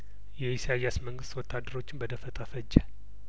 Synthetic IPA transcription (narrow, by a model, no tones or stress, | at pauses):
jɛisaijasməŋɡɨst̪wɔt̪ʰːad̪ːəɾo̞t͡ʃːɪnbəd̪əfət̪ʼafəd͡ʒːɛ